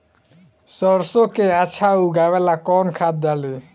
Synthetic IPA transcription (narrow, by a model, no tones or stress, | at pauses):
sɔɾsokeat͡ɕʰawɡaβɛlakɔnkʰat̪̚d̪ale